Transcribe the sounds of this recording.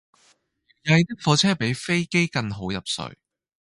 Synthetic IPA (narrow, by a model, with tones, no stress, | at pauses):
jɐ˧jt̪iː˥k̚fɔː˧t͡sʰɛː˥pe˨˥jfe˥jke˥jkɐ˧ŋɦo˨˥wjɐ˨p̚sɵ̰˨˧ɥ